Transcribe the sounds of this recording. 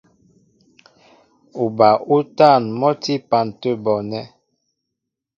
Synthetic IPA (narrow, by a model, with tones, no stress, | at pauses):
u˨ba˨ʔu˦ta˦˨nmɔ˦ti˦pa˨n˨tə˦bɔ˨nɛ˦